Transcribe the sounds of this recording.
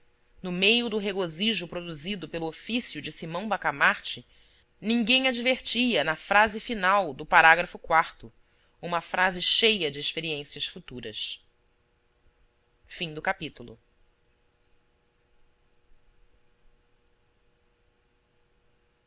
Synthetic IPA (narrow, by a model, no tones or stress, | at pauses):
nʊmejʊd̪ʊɦeɡoziʒʊpɾod̪uzid̪ʊpelʊofisjʊd͡ʒɪsimɐ̃w̃bakamaɾt͡ʃɪ | nĩŋɡẽj̃ad͡ʒiveɾt͡ʃiɐnɐfɾazɪfinawd̪ʊpaɾaɡɾɐfʊkwaɾt̪ʊ | ũmɐfɾʔazɪʃejɐd͡ʒɪːʃpeɾiẽsiɐsfut̪uɾɐ̰s | fĩŋd̪ʊkapit̪ulˠʊ̰